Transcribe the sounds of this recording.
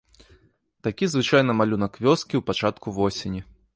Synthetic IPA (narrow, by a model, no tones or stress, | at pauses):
t̪akʲizvɨt͡ʂajnɐmalʲunɐkvʲɔskʲiwpat͡ʂat̪kuvɔsʲenʲi